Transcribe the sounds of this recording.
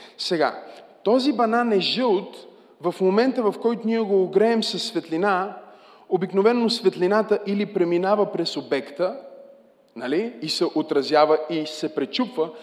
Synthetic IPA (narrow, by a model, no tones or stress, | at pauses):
sɛɡa̰t̪ɔzibɐnanɛʒəlˠt̪ | vɐfmomɛnt̪əvɐfkɔjt̪ʊniɛɡoːɡɾɛːmsɐsːvɛt̪lina | obiknovɛnːosvɛt̪linat̪əʔilipɾɛminavəpɾɛsobɛkt̪ə | naliːsɛʔot̪ɾɐzʲjavəisɛpɾɛt͡ʃupvə